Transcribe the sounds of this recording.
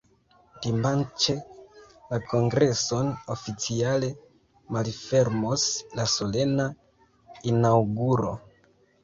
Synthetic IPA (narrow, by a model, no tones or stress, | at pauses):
d̥imant͡ʃe̞lako̞ŋɡɾe̞so̞nofit͡siale̞ | malfe̞ɾmo̞slaso̞le̞na | inawɡuɾo̞̰